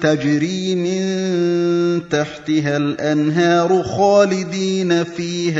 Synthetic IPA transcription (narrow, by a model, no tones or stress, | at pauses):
t̪ad͡ʒɾiːmɪn | t̪aħt̪ɪɦalʔanɦɑːɾˤxaːlɪd̪iːnafiːh